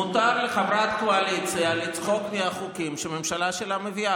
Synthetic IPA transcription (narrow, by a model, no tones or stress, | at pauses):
ut̪aɾleχamɾat̪̚koalit͡sealit͡sχokniaχukimʃeme̞mʃalaʃelamevia